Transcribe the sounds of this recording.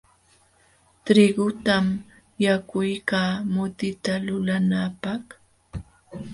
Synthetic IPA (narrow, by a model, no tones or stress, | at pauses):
t̪ɾɪɡʊt̪am | jakʊjkaːmʊt̪ɪt̪alʊlanapaχ